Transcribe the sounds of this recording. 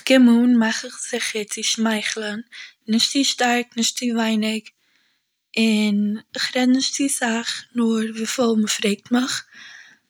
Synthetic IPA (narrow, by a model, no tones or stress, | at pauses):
kɪmuːnmaχɪχz̥ɪχəɾt͡sɪʃmaɪχl̩ˠənnɪʃtt͡siʃtaɾknɪʃtt͡sɪvaɪnɪk | ɪnɪχɾɛdnɪʃtt͡sɪsaχnʊɾviːfɔlˠməfɾeɪk̚tməχ